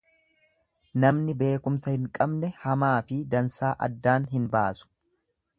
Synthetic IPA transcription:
nɐmnɪbe̞ːkʊmsɐhɪŋkʼɐbnɛhɐmaːfɪd̪ɐnsaːʔɐ̰d̪ːaːnɦɪnbaːsʊ̥

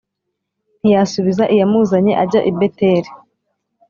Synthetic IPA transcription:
n̥ijasuβizaʔijamuzaɲe̞ʔaɟaʔibeteɾi

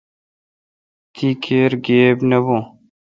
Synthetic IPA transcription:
t̪ʰikʰeːɾɡeːbnɐbõ

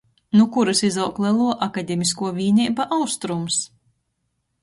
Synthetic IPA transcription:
nukuɾɨsizawklˠɛlˠuɔʔakad̪ʲemʲiskuɔvʲiːnʲiːbaʔawst̪ɾums

